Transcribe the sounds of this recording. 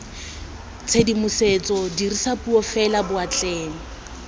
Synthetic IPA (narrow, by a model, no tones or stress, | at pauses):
t͡sʰedimʊset͡sʼɔdirisapuɔfɛlabʊat͡ɬʼɛːŋ̩